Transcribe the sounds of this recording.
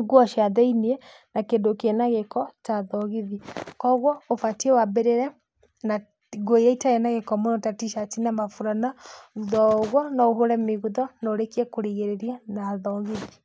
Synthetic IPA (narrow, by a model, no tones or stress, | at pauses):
ɡwɔʃiaðɛiniɛ | nakendokenaɣekɔtaðɔɣiðikɔɣwɔofatiɛwabeɾeɾɛ | na | ɡojaitaenaɣekɔmonɔtatiʃatinamafuɾanauðɔɣwɔnɔoɦoɾɛmeɣuðɔnoɾekiɛkoɾiɣeɾeɾianaðɔɣeði